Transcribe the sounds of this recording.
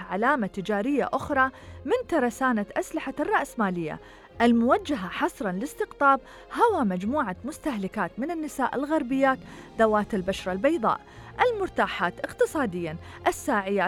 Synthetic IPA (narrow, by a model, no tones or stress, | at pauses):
ʕalaːmat̪ɪd͡ʒaːɾɪjːa̰ʔʊxɾˤɑmɪnt̪ɑɾˤɑsaːnat̪ʔaslɪħarˤːɑʔsmaːlɪjːa̰ | ʔɪlmʊwad͡ʒːaɦaħɑsˤɾˤɑnlɪst̪ɪqt̪ˤɑːb̚ | hawamad͡ʒmuːʕamʊst̪aɦlɪkaːt̪mɪnɪnːɪsa̰ːʔɪ̰lɣɑɾbɪjːaːt̪d̪awaːt̪ɪlbaʃɾˤɑlbɑjðˤɑ̰ːʔʔɪlmʊɾt̪aːħaːt̪ʔɪqt̪ɨsˤɑːd̪ɪjːa | ʔɪsːaːʕɪjːaː